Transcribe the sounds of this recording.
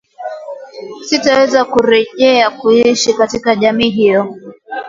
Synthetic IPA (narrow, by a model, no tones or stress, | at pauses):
sitawɛzakuɾɛʄɛakuiʃikatikaʄamiːɦijɔ